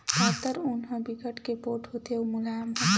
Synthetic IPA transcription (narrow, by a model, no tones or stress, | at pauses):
aːt̪əɾʊnɦõbɪkəʈkepoːɾʈɦoːt̪eomʊlaːjəmɦɛ